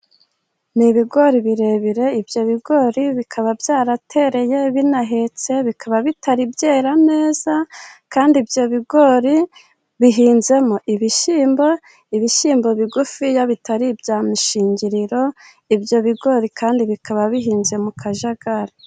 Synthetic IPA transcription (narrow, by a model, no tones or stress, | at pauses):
niβiɡo̞ɾiβiɾe̞βiɾe̞ibjo̞βiɡo̞ɾiβikʰaβabjaːɾatʰe̞ɾe̞je̞βinaɦe̞t͡se̞βikaβaβitaɾibɟe̞ːɾane̞ːzakaːndibjo̞βiɡo̞ɾi | βiɦiːnze̞moʔiβiʃiːmbo̞ | iβiʃiːmbo̞βiɡufijaβitaɾibɟaːmiʃiːɲɟiɾiɾo̞ | ibjo̞βiɡo̞ːɾikʰaːndiβikaβaβiɦiːnze̞mukʰaʒaɡaɾa